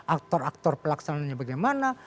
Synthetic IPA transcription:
ʔak̚t̪ɔrak̚t̪ɔrpəlaksanaɲabaɡajmana

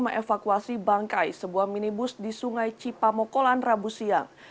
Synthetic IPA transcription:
məŋefakuasibaŋkajsəbuahminibʊsdisuŋajt͡ʃipamɔkolanrabusia̰ŋ

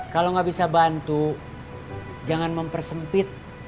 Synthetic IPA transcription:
kaloŋɡabisabant̪u | d͡ʒaŋanməmpərsəmpɪt̪̚

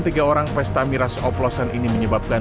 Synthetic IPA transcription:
nt̪iɡaoɾaŋfɛst̪amiɾasɔplɔsanʔiniməɲəbap̚ka

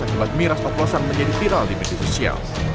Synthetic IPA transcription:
akulat̪̚miɾasɔt̪lɔsanməɲd͡ʒadifiɾaldimed̪iasosia̰l

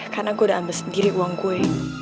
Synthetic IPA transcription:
kanaŋkodaʔanbəsəndiɾiʔuwaŋkue

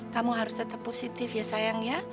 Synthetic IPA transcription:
kamuɦaɾʊst̪ət̪əpːosit̪ɪfjasajaŋja

